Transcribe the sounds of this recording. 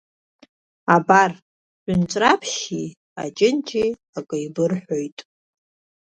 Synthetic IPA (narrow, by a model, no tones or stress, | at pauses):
abar | ʒʷʊnt͡ʃʷʼrapʰʃi | a̰t͡ʃʼɪnt͡ʃʰʼi | akʼɨjbɨrħʷo̞jtʼ